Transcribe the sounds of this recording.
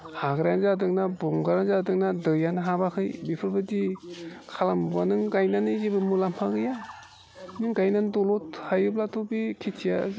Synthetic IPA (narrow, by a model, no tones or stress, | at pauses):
haɡɾaanzadɯŋnabɔŋɡaɾanzadɯŋnadɯjanaɦabakʰɯjbipʰɯɾbɯdikʰalambanɯŋɡajnanɯzibɯmulamhaɡɯja | nɯŋɡajnandɔlɔthajɯblatʰobikʰitʰija